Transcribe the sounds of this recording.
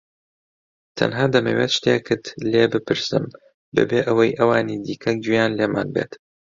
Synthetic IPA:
t̪ʰɐ̰nɦaːd̪ɐmɐ̰weːt̪ʃt̪ʰekɨt̪leːbɨpɨɾsɨm | bɨ̰beːʔəwɐjʔɐwaːniːd̪iːkʰɐd͡ʒujaːnleːma̰ːnbḛt̪

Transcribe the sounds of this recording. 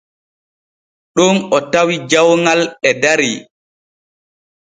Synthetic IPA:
ɗunɔtawid͡ʒawŋalɛdaɾi

